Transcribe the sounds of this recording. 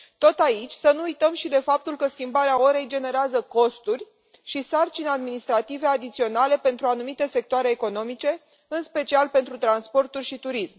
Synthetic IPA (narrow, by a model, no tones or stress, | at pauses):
t̪o̞t̪ait͡ʃʲsənuːjt̪əmʃid̪e̞fap̚t̪ulkəskʲimbaɾeao̞ɾe̞jd͡ʒe̞ne̞ɾeazəko̞st̪urʲ | ʃisart͡ʃinead̪minist̪ɾat̪ive̞ad̪it̪sio̞nale̞pe̞nt̪ɾuanumit̪e̞se̞k̚t̪oaɾe̞ːko̞no̞mit͡ʃe̞ | ɨnspe̞t͡ʃialpe̞nt̪ɾut̪ɾanspo̞rt̪urʲʃit̪uɾism